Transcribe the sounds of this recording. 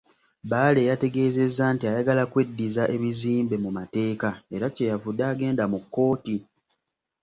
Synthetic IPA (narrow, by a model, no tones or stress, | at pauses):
baːle̞jate̞ɡe̞ːze̞zːaːntiajaɡalakwe̞dːizaʔe̞βiziːmbe̞mumate̞ːkae̞ɾacejavudːaːɡe̞ːndamukːo̞ːti